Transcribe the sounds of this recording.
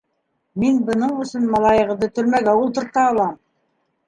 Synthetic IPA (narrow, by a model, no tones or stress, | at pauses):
minbɤ̆nɤɴɵ̆sɤnmɑlˠɑjɤ̆ʁɤ̆d̪ɤt̪ɵ̆ɾmæɡæulˠt̪ɤ̆ɾt̪ɑːlˠɑm